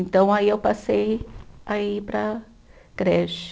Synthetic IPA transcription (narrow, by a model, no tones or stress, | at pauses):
nt̪ɐ̃w̃aiewpasejaipɾɐ | ɡ̥ɾɛʃ